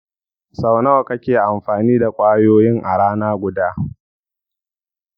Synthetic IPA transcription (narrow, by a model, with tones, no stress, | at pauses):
sa˨wnɐ˦wkɐ˦kʲeː˨ʔa˨mɸaː˨niː˦da˨kʷʼaː˦joː˦jɪ˦ŋʔa̰˨ɽaː˦naː˦ɡʷʊ˨˦daː˦